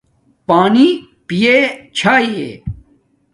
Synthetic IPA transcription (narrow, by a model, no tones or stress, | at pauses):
paːni | pijet͡ɕʰaːiḛ